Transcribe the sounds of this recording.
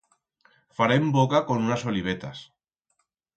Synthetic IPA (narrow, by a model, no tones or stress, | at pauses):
faɾembokakonunasoliβ̞et̪as